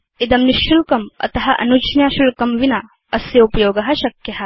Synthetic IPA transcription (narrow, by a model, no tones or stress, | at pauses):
id̪ɐmniʃulkɐmɐ̰t̪ɐɦɐʔɐ̰nut͡ʃnjaːʃulkɐmʋinɐ | ɐsjɐupɐjoːɡɐɦɐʃɐkjɐɦɐ̆